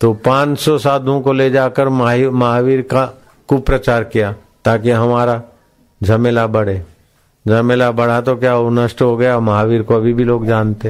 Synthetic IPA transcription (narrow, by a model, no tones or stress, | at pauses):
t̪opãːt͡ʃsɔsaːd̪ʱõkoled͡ʒaːkəɾmmaɦaʋiːɾka | kupɾɐt͡ʃaːɾkijaː | t̪aːk̬eɦɐmaːɾa | d͡ʒʱɐmelabɐɽ̤eː | d͡ʒɐmelabɐɽ̤at̪okjaːonɐʃʈɦoɡɐjamɐɦaːʋiːɾkoɐbʱibʱiloːɡd͡ʒaːnt̪eɦ